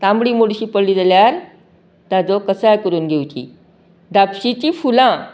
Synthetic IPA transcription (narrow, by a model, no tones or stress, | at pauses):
t̪ãmbɽiːmoɽɕiːpəɽliːd͡zaljaɾ | t̪ad͡zɔkəsajkəɾuːnɡʱewt͡ɕḭː | d̪apɕit͡ɕifulã